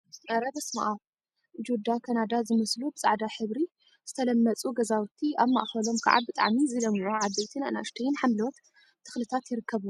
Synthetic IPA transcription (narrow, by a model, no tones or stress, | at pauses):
nɐɾɐbɐsma̰ʔa | d͡ʒud̪akʰanad̪azɨmɐslubɨt͡sʼa̰ʕd̪aħɨβɾi | z̥ɨt̪ʰɐlɐmːɐt͡sʼuɡɐzawt̪ʰiʔaβma̰ʔxɐlo̞mkʰa̰ʕa̰bɨt̪ʼa̰ʕmizɨlɐmʕuʕad̪ejt̪ʰina̰na̰ʔʃt̪ʰɐjɪnħamlot̪ʰː | ɨ̥xlɨt̪ʰat̪jɪɾɨkʰːɐβu